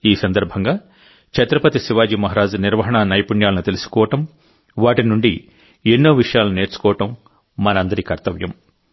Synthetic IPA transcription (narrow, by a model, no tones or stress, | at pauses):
iːsɐnd̪ɐɾbʱɐŋɡaː | t͡ʃɐt̪ɾɐpɐt̪isiʋaːd͡ʒimɐɦɐɾaːd͡ʒuniɾʋɐɦɐɳɐnɐjpuɳjaːlɐnut̪elisu̥kɔːʋɐʈɐm | ʋaːʈinuɳɖi | enːoːʋiʂɐjaːlune̞ːɾt͡ʃu̥kɔːʋɐʈɐmː | ɐnɐɐnd̪ɐɾikɐɾt̪ɐʋjɐm